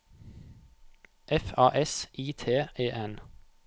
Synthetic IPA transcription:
ʔɛfɑːʔɛsʔiːt̪ʰeːʔeːʔɛn

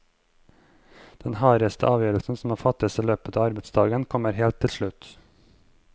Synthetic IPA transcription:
d̪̥ɛnhɑːɾəst̪ʰə̰ʔɑːʋjøːɾəlsn̩sɔm̩ɑːfɑt̪ɪəsəløːpət̪ʰɑːɑɾbɛd̪sd̪ɑːɡənkʰɔməɾheːlt̪ʰːɪlʃɭʉt̪

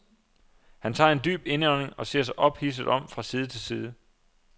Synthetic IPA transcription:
hænt͡sʰɑ̰̈ːe̝ndy̰ːb̥e̝nəɒne̝ŋɒ̽se̝ɐ̰s̬ɑ̈ɪʔɒ̽b̥his̬əð̩ˠɒ̽m̰fʁɑ̈siːð̞ˠət͡sʰe̝lsiːð̞ˠə

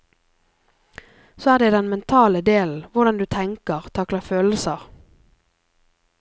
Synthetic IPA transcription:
soːæːʁd̪eːd̪ɛnmɛnt̪ʰɑːləd̪eːln̩ʋʊʁd̪ɑnd̪ʉːt̪ʰɛŋkəʁt̪ʰɑklɑføːləsəʁ

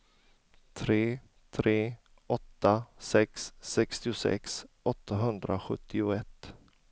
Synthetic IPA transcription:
t̪ʰɾeː | t̪ʰɾeː | ɔt̪ːasɛksːɛkst̪ɪʊsɛ̰ks | ɔt̪ʰːaɦɵnd̪ɾaɧɵ̰t̪ʰːɪʊɛt̪ː

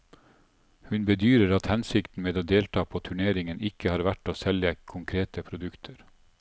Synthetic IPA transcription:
hʉnbəd̪yːɾəɾɑt̪hɛnsɪkt̪n̩meːd̪oːd̪eːlt̪ʰɑːpʰoːt̪ʰʉɳeːɾɪŋənɪkəhɑːɾʋæʈoːsɛljəkʰʊŋkʰɾeːt̪əpʰɾʊd̪ʉkt̪ʰəɾ

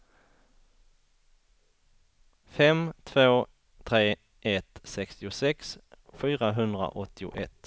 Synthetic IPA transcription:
fɛmt̪ʰvoː | t̪ʰɾeː | ʔɛt̪sɛkst̪ɪʊsɛksfyːɾaɦɵnd̪ɾa̰ʔɔt̪ːɪʊ̰ʔɛt̪ː

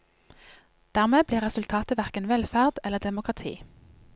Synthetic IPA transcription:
d̪̥æːʁmeːbliːʁɛsʉlt̪ʰɑːt̪əʋæʁkənʋɛlfæʁd̪̥ɛləd̪ɛmʊkʁɑt̪ʰḭː

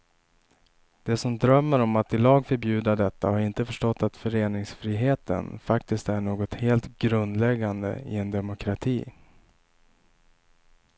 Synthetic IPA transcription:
d̪̥ɛsɔmd̪ɾœmːəɾɔmat̪ɪlɑːɡfœɾbjʉ̟ːd̪ad̪ɛt̪ːahaɾɪnt̪əfœʂʈɔt̪ːat̪fœɾeːnɪŋsfɾiːɦeːt̪ə̰nfakt̪ɪst̪æɳoːɡɔt̪heːlt̪ɡɾɵnd̪lɛɡːand̪ə̰ɪ̰ɛnd̪ɛmʊkʰɾat̪ʰiː

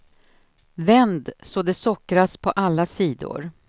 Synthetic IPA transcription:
vɛnd̪sɔd̪ɛsɔkɾaspʰɔʔalːasiːd̪ʊ̰ɾ

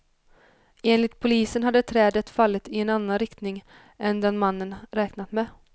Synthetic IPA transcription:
eːnlɪt̪pʰʊliːsənɦad̪ːət̪ʰɾɛːd̪ət̪falːət̪ɪɛnanːanɾɪkt̪nɪŋ | ɛnd̪ɛnmanːənɾɛːknat̪mɛ

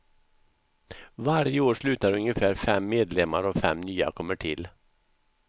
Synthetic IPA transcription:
vaɾjəoːʂlʉ̟ːt̪aɾɵŋjəfæːɾfɛmːeːd̪lɛmːaɾɔfɛmnyːa̰kʰɔmːəʈʰɪl

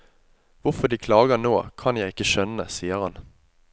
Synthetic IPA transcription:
ʋʊʁfɔd̪iːkʰlɑːɡənoːkʰɑnjæɪɪkːəʃœnəsiːəʁhɑn

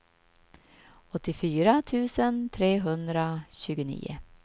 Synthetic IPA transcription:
ɔt̪ːɪfyːɾat̪ʰʉːsənt̪ʰɾeːɦɵnd̪ɾaɕʉːɡənḭːʊ̰

